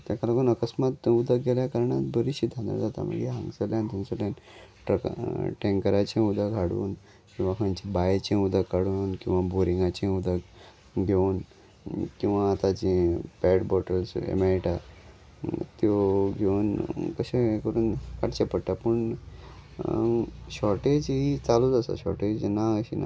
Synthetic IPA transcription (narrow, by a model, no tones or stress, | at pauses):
t̪jakalakəːnəkəsmat̪ud̪ʱaɡʱeljakəɾɳat̪bəɾiɕiːd̪ʱand̪a̰ɾd͡zat̪a̰mə̰ɡḛɦã̰ŋɡsəljant̪ũnsəljanʈʈẽŋkəɾat͡ɕẽud̪ʱakɦaɽṵːn | kĩw̃ʋakʰãnt͡ɕibajt͡ɕẽud̪ʱakːaɽuːnkĩw̃ʋaboɾiŋɡat͡ɕẽud̪ʱak | ɡʱeun | kĩw̃ʋaːt̪ad͡ʑĩpɛɽbɔʈəlsḛmeɾiʈa | t̪joɡʱeunkəɕẽkəɾuːnkaʈt͡ɕepəɽʈ̪apəɳ | ɕɔɾʈed͡ʑɦit͡salud͡zasa̰ɕɔ̰ɾʈed͡ʑnaəɕḭna̰